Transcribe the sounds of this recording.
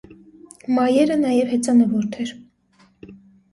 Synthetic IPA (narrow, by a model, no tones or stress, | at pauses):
mɑjɛɾənɑjɛvhɛt͡sɑnəvɔɾt̪ʰɛɾ